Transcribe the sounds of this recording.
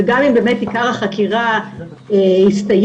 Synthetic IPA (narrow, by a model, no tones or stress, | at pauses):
eɡamimbe̞metikaʁaχakiʁa | ehistaj